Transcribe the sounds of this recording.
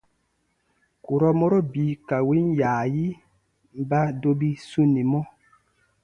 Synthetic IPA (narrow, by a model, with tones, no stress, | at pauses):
ku˨ɾɔ˦mɔ˦ɾo˦bi˨˦ka˨wi˦njaː˨ji˦ | m˨˦ba˦do˦bi˦su˦ni˨mɔ˦